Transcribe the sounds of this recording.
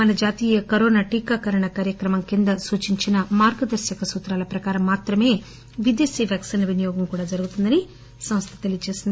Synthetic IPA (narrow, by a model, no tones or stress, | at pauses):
mɐnɐd͡ʒaːt̪iːjɐkɐɾoːnaːʈiːkaːkɐɾɐɳɐkaːɾjɐkɾɐmɐmkind̪ɐsuːt͡ʃiɲt͡ʃinɐmaːɾɡɐd̪ɐɾsjɐkɐsuːt̪ɾaːlɐpɾɐkaːɾɐmːaːt̪ɾɐme̞ː | ʋid̪eːsiːʋjaːksiːnɐʋinijɔːɡɐmkuːɽaːd͡ʒɐɾuɡut̪und̪ɐni | sɐmɐst̪ʰɐ̥t̪elijɐt͡ʃe̞ːsind̪i